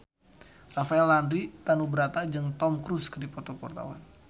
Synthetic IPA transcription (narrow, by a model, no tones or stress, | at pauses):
rafaɛlːandɾit̪anubəɾat̪ad͡ʒɨŋt̪ɔmkɾuskədipɔt̪ɔkɔrt̪a̰wa̰n